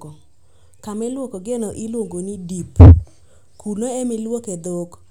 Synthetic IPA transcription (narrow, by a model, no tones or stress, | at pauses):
o | kamɛlwokoɡenoʔilwoŋɡonidip | kʰuloemilwoked̪ok